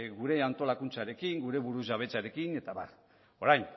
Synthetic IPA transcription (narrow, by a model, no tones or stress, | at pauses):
ɡuɾe̞ant̪o̞lakunt͡saɾe̞kiŋɡuɾe̞βuɾuzɣaβ̞e̞t͡saɾe̞kine̞t̪aβa̰ | o̞ɾajn